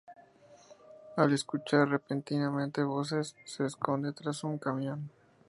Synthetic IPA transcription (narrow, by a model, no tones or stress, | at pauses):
ale̞skut͡ʃaɾre̞pent̪inamẽnt̪e̞βo̞s̬e̞sːe̞ːsko̞nd̪e̞t̪ɾasuŋkamjõ̞n